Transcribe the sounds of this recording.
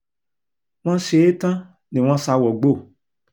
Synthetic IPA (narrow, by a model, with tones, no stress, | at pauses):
w̃ɔ̃˦ʃe˨˦e˦tã˦ | nĩ˨w̃ɔ̃˦sa˧˦wɔ˨ɡ͡bo˦˨